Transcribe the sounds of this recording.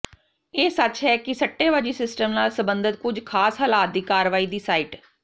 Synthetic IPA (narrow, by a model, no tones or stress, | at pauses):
eːsət͡ʃɦɛːkɪsəʈːeːʋad͡ʒiːsɪsʈəmnaːlsəbənd̪ət̪̚kʊd͡ʒkʰaːsɦəlaːt̪̚d̪iːkaːɾʋaːiːd̪iːsaːiːʈ